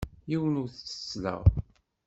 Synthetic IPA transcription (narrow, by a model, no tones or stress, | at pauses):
jiwənuɾθt͡sːə̥slə̰ʁ